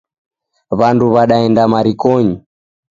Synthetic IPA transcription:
βanduβaɗaɛndamaɾikɔɲi

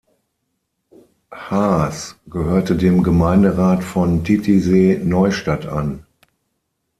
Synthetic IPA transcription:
haːsɡ̥əhøːɐtədeːmɡəmaɪndəʁaːtfɔntʰitʰizeːnɔʏʃtata̰n

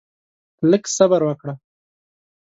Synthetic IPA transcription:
ləksabaɾwakɽa

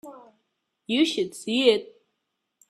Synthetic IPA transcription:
jɨʃɨd̥siɪt̚

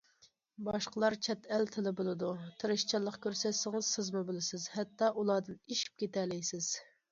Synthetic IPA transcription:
bɑʃqəlˠɑɾt͡ʃʰɛt̪ælt̪ʰɪlɪbolˠɨd̪ut̪ʰɨɾɨʃt͡ʃʰɑlˠːəqkʲøɾsɛsɪŋɨz̥sɪzmɨbɪlɪsɪzhɛt̪ːɑʔulˠɑːd̪ɨniʃi̥p̚kʲet̪ɛlɪjsɪz̥

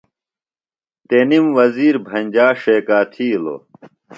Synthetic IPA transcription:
t̪enimwɐziːɾbʱɐnʲd͡ʑaːʂeːkaːt̪ʰiːlo̰

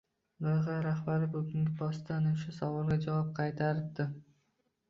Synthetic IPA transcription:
boʁaɾaχbaɾɪbʊɡʲɪŋɡʲɪpʰɒst̪ʰanɪʃasavɒlˠɡʲad͡ʒavɒp̚qʰɑjt̪ʰaɾɪp̚d̪ɪ

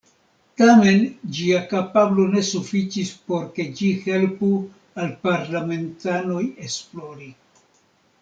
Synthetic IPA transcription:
tame̞nd͡ʒiakapablo̞ne̞sufit͡ʃispo̞ɾke̞d͡ʒihe̞lpu | alpaɾlame̞ntano̞je̞splo̞ɾi

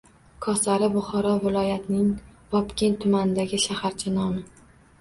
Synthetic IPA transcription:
kʰɒsaɾɪbʊχɒɾɒvɪlˠɒjat̪nɪŋvɒpkʲent̪ʰʊmanɪd̪aɡʲɪʃahaɾt͡ʃʰanɒmɪ

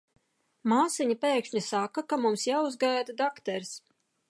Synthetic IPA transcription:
maːsiɲapeːkʃɲisakakamumsjaːuzɡajd̪ad̪akt̪ɛɾs

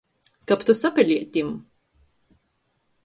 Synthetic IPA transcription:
kapt̪usapʲɛlʲiɛt̪ʲim

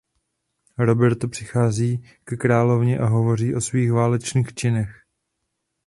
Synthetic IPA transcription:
ɾo̞bɛɾt̪opr̥ɪxaːziː | kɛkɾaːlo̞vɲɛʔaɦo̞vo̞r̝iːʔo̞sviːxvaːlɛt͡ʃniːxt͡ʃɪnɛx

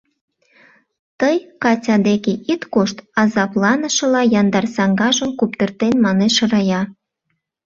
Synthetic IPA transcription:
t̪əjkɑtʲɑd̪ekeʔit̪koʃt̪ɑzɑplɑnəʃə̆lɑjɑnd̪ɑrsɑŋɡɑʒəmkupt̪ərt̪enmɑneʃərɑjɑ

